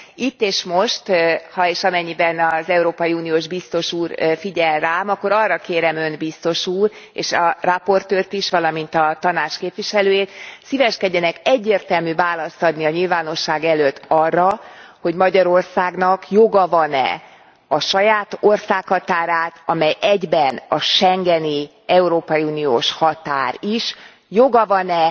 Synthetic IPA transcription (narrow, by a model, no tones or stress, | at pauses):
it̪ːeːʃmo̞ʃt̪hɒeːʃɒmɛɲːibɛnɒzɛuɾoːpɒjiuːnijoːʒbist̪o̞ʃuːrfiɟɛlraːmɒkːo̞ɾɒrːɒkeːɾɛmø̞nbist̪o̞ʃuːrḛːʃɒrɒpo̞rt̪øːrt̪iʃʋɒlɒmint̪ɒt̪ɒnaːt͡ʃkeːpʋiʃɛløːjeːt̪sivɛʃkɛɟːɛnɛkɛɟːeːrt̪ɛlmyvaːlɒst̪ɒd̪niɒɲilvaːno̞ʃːaːɡɛløt̪ːɒrːɒho̞ɟmɒɟɒɾo̞rsaːɡnɒkjo̞ɡɒvɒnɛ̰ | ɒʃɒjaːt̪orsaːkhɒt̪aːɾaːt̪ɒmɛjʔɛɟbɛnɒʃɛŋɡɛni | ɛuɾoːpɒjiuːnijo̰ːʃhɒt̪aːɾiʃ | jo̞ɡɒvɒnɛ